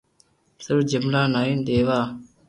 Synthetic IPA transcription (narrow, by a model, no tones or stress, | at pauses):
səɾd͡ʒəmlaːnaːind̪eːʋaː